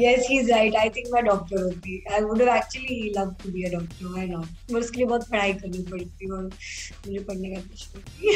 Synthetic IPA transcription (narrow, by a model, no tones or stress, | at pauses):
jɛsɦizɾaɪʈajt̪ʰĩŋkmaɖɔk̚ʈəɾɦot̪iajʋuɖɛʋæk̚t͡ɕuəliləʋʈubiːəɖɔk̚ʈəɾʋajnɔʈ̚fəɾsʈlibɔd̪̚pʰəɽaikəɾnipəɭt̪iʋɔɾmud͡ʑepəɳːekat̪əɕot̪i